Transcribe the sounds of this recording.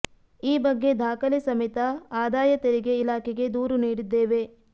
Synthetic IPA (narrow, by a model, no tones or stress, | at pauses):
iːbɐɡːe̞d̪ʱaːkɐlisɐmit̪ɐaːd̪aːjɐt̪eɾiɡe̞ilaːkʰɛɡe̞d̪uːɾuniːɽid̪ːeːʋe̞